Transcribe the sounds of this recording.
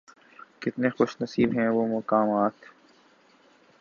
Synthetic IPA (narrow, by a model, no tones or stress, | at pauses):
kɪt̪nexʊʃnɐsiːbɦɛ̃ʋomʊkaːmaːt̪